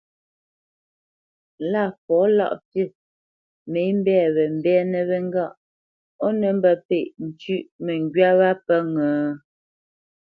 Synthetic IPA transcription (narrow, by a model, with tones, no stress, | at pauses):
la˦˨pɔ˨˦la̰˦ʔte˦˨ | me˨˦m˦bɛː˦˨βɛ˨m̩˦˨bɛ˦nə˨βɛ˦ŋ˦ɡa˦˨ʔ | ɔ˦nə˨m˦bə˨pe˨ʔn̩˨t͡ʃʉ˦˨ʔmə˨ŋɡɥa˦βa˦pə˦ŋəː˨